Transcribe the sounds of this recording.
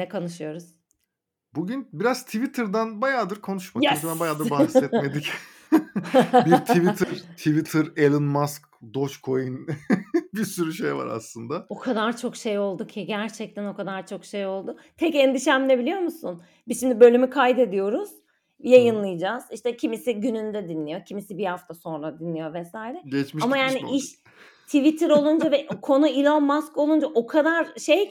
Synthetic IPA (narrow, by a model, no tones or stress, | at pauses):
nɛkʰonɯʃɯjo̞ɾuz̥ | buɟynbiɾaz̥t̪ʰivit̪ʰɯɾd̪ænbajaːd̪ɯɾkʰo̞nuʃmabænbajaːd̪ɯɾbahsɛt̪me̞d̪ic | biɾt̪ivit̪ʰiɾt̪ʰivit̪ʰɯɾelʲˠɯnmask | d̪o̞t͡ʃkʰo̞jɯn | bisyɾyʃejva̰ɾa̰slˠɯnd̪ao̞kʰad̪aɾt͡ʃʰo̞kʃejo̞lˠd̪ucʰiɟæɾt͡ʃʰɛc̚t̪ʰæno̞kad̪aɾt͡ʃʰo̞kʃejo̞lˠd̪ʊt̪ʰɛcend̪iʃæmlʲɛbilʲijo̞ɾmusun | b̥izʃimd̪ibø̞lʲymykʰajd̪e̞d̪ijo̞ɾuz̥ | jajɯnlˠɯjɯd͡ʒaz̥iʃt̪ɛcʰimisiɟynynd̪ɛd̪inlːʲijo̞cʰimisibihaft̪ʰaso̞nɾad̪inlːijo̞vɛsaːjɾɛɟet͡ʃmiʃamajaːniiʃ | t̪ʰivit̪ʰiɾo̞lˠund͡ʒavɛʔkʰo̞nuilʲonmasko̞lˠund͡ʒaʔo̞kʰad̪aɾʃej